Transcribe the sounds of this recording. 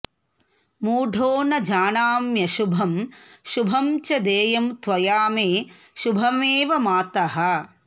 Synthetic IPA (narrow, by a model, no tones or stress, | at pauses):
muːɖʱoːnɐd͡ʒaːnaːmjɐʃubʱɐmʃubʱɐmt͡ʃɐd̪eːjɐmt̪ʋɐjaːmeː | ʃubʱɐmeːʋɐmaːt̪ɐɦɐ̆